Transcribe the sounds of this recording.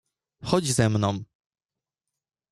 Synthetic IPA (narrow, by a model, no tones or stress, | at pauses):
xɔd͡ʑzɛmnɔ̃w̃